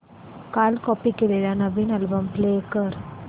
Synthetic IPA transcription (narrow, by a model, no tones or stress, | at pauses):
kaːlkɔpːikːɪlejanɐbinɐlbɐmpleːkɐɾ